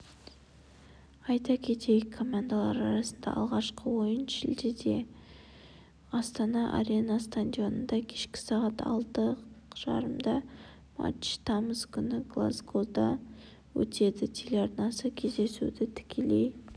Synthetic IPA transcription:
ɑjt̪ɑkʲʰe̞t̪ejkʰo̞mand̪alˠɑɾɑɾɑsənd̪ɑ̰ʔɑlˠʁɑʃqəwo̞jənʃɪ̰ld̪ed̪e̞ | ɑst̪ɑnɑʔa̰ɾe̞nɑst̪and̪ʲijo̞nənd̪ɑkʲʰe̞ʃkʲɪ̥sɑʁɑt̪ʰɑ̰lˠt̪əʒ̥ɑ̰ɾəmd̪ɑ | ma̰t͡ʃt̪ʰɑməzkʲʰʏnɪɡlˠa̰zɡod̪ɑ | wɵ̰t̪ʰe̞d̪ɪt̪ʲʰe̞leaɾnɑsəkʲʰe̞zd̪e̞sṵd̪ɪt̪ʰɪ̥kʲʰe̞le̞̰j

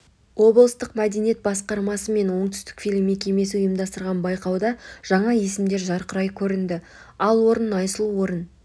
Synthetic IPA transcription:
wo̞blˠəst̪əqmæd̪enije̞t̪̚bɑsqɑɾmɑsəme̞nwo̞ɴt̪ʏ̥st̪ɪkfʲilʲɪmːe̞kʲe̞me̞sɪʊjəmd̪ɑst̪əɾʁɑnbɑjqɑwd̪ɑʒ̥ɑɴɑje̞sɪmd̪e̞ɾʒɑɾqəɾɑjkʲʰɵɾɪnd̪ɪ | ɑlˠwo̞ɾənɑjsəlˠuwo̞ɾən

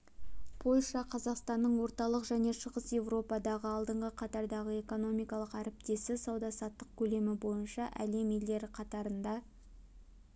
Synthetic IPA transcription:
pʰo̞lʲʃɑqʰɑzɑqst̪ɑnːəɴwo̞ɾt̪ɑlˠəqʒæne̞ʃəʁəsje̞vro̞pɑd̪ɑʁəɑlˠd̪əɴʁəqʰɑt̪ɑɾd̪ɑʁəe̞ko̞no̞mijkɑlˠəqæɾɪp̚t̪e̞sɪsɑwd̪ɑsɑt̪ːəq̚kʲʰɵle̞mɪbo̞jənʃɑʔæ̰le̞mele̞ɾɪqʰɑt̪ɑɾənd̪ɑ

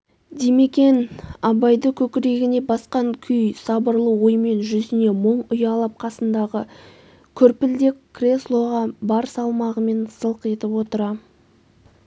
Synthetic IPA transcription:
d̪eme̞kʲe̞nɑbɑjd̪əkʲʰɵkʲɪɾe̞ɡʲɪne̞bɑsqɑŋkʲʰʏjsɑbəɾlˠəwo̞jme̞nʒʏzɪne̞məɴʊjɑlˠɑp̚qʰɑsənd̪ɑʁə | kʲʰʏɾpɪld̪ɪkʲkʰːrʲe̞slˠo̞ʁɑbɑɾsɑlˠmɑʁəme̞nsəlˠqe̞t̪ɪpwo̞t̪əɾɑ

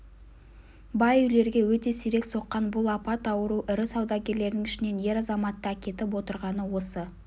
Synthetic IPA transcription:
bɑjʏle̞ɾɡʲe̞wɵt̪e̞siɾe̞kso̞qːɑnbʊlˠɑpɑt̪ɑwəɾuʔɪɾɪsɑwd̪ɑkʲe̞ɾle̞ɾɪnɪŋɪʃɪne̞nje̞ɾɑzɑmɑt̪ːəækʲe̞t̪ɪp̬wo̞t̪əɾʁɑnəwo̞sə

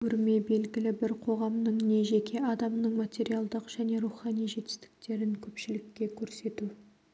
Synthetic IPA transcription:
ʏɾme̞be̞lɡʲɪlɪbɪɾqʰo̞ʁɑmnəɴne̞ʒe̞kʲʰe̞ʔɑd̪ɑmnəɴmat̪ʲe̞ɾijalˠd̪əqʒ̥æne̞ɾuχɑnijʒe̞t̪ɪst̪ɪ̥k̚t̪e̞ɾɪŋkʲʰɵpʃɪlɪkʲːe̞kʲʰɵɾse̞t̪u

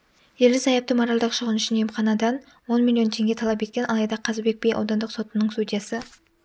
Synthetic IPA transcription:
je̞ld̪ɪzɑjɑp̚t̪əmoɾɑlˠd̪ɑqʃəʁənʏʃɪnemχɑnɑd̪ɑn | wo̞nmʲilʲːijo̞nt̪ʰe̞ŋɡʲe̞t̪ʰɑlˠɑpe̞t̪̚kʲe̞nʔɑ̰lˠɑjd̪ɑqʰɑzbe̞k̚ʲbʲejʔɑ̰wd̪ɑnd̪əqso̞t̪ənəɴst̪ud̪ʲijasə

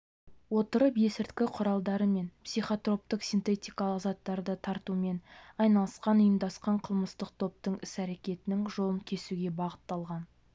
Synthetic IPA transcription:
wo̞t̪əɾəbje̞sɪɾt̪kʲɪqʰʊɾɑlˠd̪ɑɾəme̞npsijχot̪ro̞p̚t̪əqsʲijnt̪e̞t̪ʲijkɑlˠəqzɑt̪ːɑɾd̪ət̪ʰɑɾt̪ume̞nɑjnɑlˠəsqɑnʊjəmd̪ɑsqɑɴqʰəlˠməst̪əq̚t̪ʰo̞p̚t̪əɴɪsæɾe̞kʲe̞t̪ɪnɪŋʒo̞lˠənkʲʰe̞suɡʲe̞bɑʁət̪ːɑlˠʁɑn

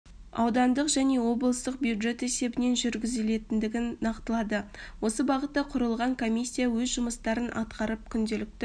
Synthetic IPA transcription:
ɑ̰wd̪ɑnd̪əqʒ̥æne̞wo̞blˠəst̪əq̚bjuwd̪ʒe̞t̪e̞se̞bɪne̞nʒʏɾɡʲɪzɪle̞t̪ɪnd̪ɪɡʲɪnːɑqt̪əlˠɑd̪əwo̞səbɑʁət̪ːɑqʰʊɾəlˠʁɑŋkʰo̞mijsʲːijawɵzʒʊməst̪ɑɾənʔɑ̰t̪qɑɾəp̚kʲʰʏnd̪elɪk̚t̪ɪ

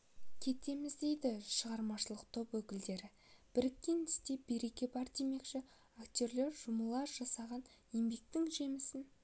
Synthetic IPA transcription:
kʲʰe̞t̪e̞mɪzd̪e̞jd̪ɪʃəʁɑɾmɑʃəlˠəqt̪ʰo̞pwɵkʲɪld̪e̞ɾɪ | b̥ɪɾɪkʲːe̞nɪst̪e̞be̞ɾe̞kʲe̞bɑɾd̪e̞me̞kʃɪ | akt̪ʲo̞ɾle̞ɾʒʊməlˠɑɾʒ̥ɑsɑʁɑn | je̞mbe̞k̚t̪ɪŋʒe̞mɪsɪn

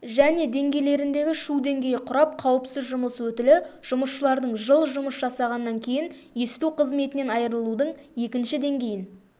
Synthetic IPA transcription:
ʒæne̞d̪e̞ŋɡʲe̞jle̞ɾɪnd̪e̞ɡʲɪʃud̪e̞ŋɡʲe̞jɪqʰʊɾɑp̚qʰɑwəpsɪzʒʊməswɵt̪ɪlɪʒ̥ʊməsʃəlˠɑɾd̪əɴʒəlˠʒʊməsʒɑsɑʁɑnːɑŋkʲʰe̞jɪn | je̞st̪uwqʰəzme̞t̪ɪne̞nɑjɾəlˠud̪əɴje̞kʲɪnʃɪd̪e̞ŋɡʲe̞jɪn

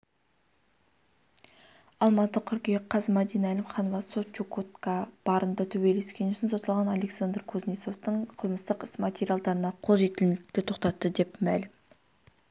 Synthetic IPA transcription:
ɑlˠmɑt̪əqʲʰʏɾkʲejqʰːɑzəmɑd̪ijnælʲɪmχɑnovɑsot̪t͡ʃukot̪kab̥ɑɾənd̪ət̪ʰɵbele̞skʲe̞nʏʃɪnsot̪ɑlˠʁɑnɑlʲe̞ksand̪rkʰozneso̞ft̪əɴqʰəlˠməst̪əqɪsmat̪ʲeɾijalˠd̪ɑɾənɑqʰo̞lˠʒe̞t̪ɪlnɪk̚t̪ɪt̪ʰo̞qt̪ɑt̪ːəd̪e̞pmælɪm

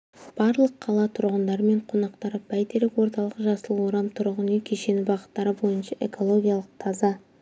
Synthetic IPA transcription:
b̥ɑɾlˠəqʰːɑlˠɑt̪ʰʊɾʁənd̪ɑɾəme̞ɴqʰo̞nɑqt̪ɑɾəbæjt̪eɾɪkwo̞ɾt̪ɑlˠəqəʒɑsəlˠwo̞ɾɑmt̪ʰʊɾʁənekʲʰeʃe̞nɪbɑqə̥t̪ːɑɾəbo̞jənʃɑʔe̞̰ko̞lˠo̞ɡʲijalˠəq̚t̪ʰɑzɑ

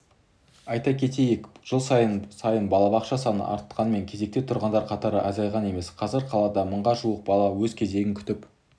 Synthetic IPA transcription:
ɑjt̪ɑkʲʰe̞t̪e̞jekʒ̥əlˠsɑjənsɑjənbɑlˠɑbɑqʃɑsɑnə̰ʔɑ̰ɾt̪ə̥t̪qʰɑnme̞ŋkʲʰe̞ze̞k̚t̪e̞t̪ʰʊɾʁɑnd̪ɑɾqʰɑt̪ɑɾəʔɑzɑjʁɑne̞me̞sqʰɑzəɾqʰɑlˠɑd̪ɑməɴʁɑʒuəq̚bɑlˠɑwɵzkʲʰe̞ze̞ɡʲɪŋkʲʰʏ̥t̪ɪp

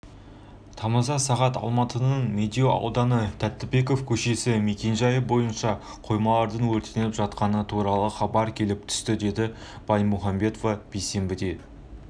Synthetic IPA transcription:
t̪ʰɑməzɑsɑʁɑt̪ɑ̰lˠmɑt̪ənəɴmʲed̪ioɑ̰wd̪ɑnət̪ʰæt̪ːɪbe̞k̬o̞fkʲʰɵʃe̞sɪme̞kʲe̞nʒɑjəbo̞jənʃɑ | qʰo̞jmɑlˠɑɾd̪əɴwɵɾt̪enelɪpʒɑt̪qɑnət̪ʰuɾɑlˠəχɑbɑɾkʲʰe̞lɪp̚t̪ʰʏ̥st̪ɪd̪e̞d̪ɪ | b̥ɑjmuχɑmbe̞t̪ovɑb̥ejse̞mbɪd̪e̞

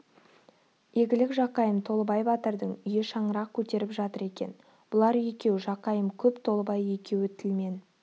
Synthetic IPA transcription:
je̞ɡʲɪlɪkʒɑqɑjəmt̪ʰo̞lˠəbɑjbɑt̪əɾd̪əɴʏjɪʃɑɴəɾɑq̚kʲʰɵt̪e̞ɾɪpʒɑt̪əɾe̞kʲe̞̰n | b̥ʊlˠɑɾʏjekʲe̞wʒɑqɑjəmkʲʰɵpt̪ʰo̞lˠəbɑjekʲe̞wɪt̪ʰɪlme̞n

